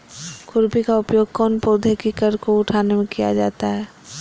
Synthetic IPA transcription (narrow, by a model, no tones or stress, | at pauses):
kʊɾbikaʊpjoːɡ̚kɔːnpoːd̪ʱekikəɾkoʊʈʰaːnemẽkija̰d͡ʒa̰ːt̪aɦɛː